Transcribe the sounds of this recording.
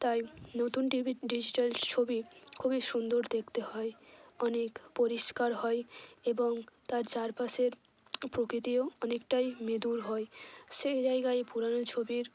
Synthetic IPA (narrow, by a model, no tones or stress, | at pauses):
t̪ajnot̪unɖiɖid͡ʑiʈalt͡ɕʰobikʰubiʃund̪oɾd̪ek̚ʰt̪ehɔeɔnekpoɾiʃkaɾɦɔeeboŋt̪aɾt͡ɕaɾpaʃeɾ | pɾokɾit̪ioɔnekʈajmed̪uɾɦɔeʃejd͡ʑaeɡaepuɾanot͡ɕʰobiɾ